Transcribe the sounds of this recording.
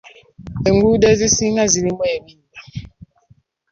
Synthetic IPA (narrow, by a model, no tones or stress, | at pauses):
eŋɡuɗezisiŋazilimwɛɓiːla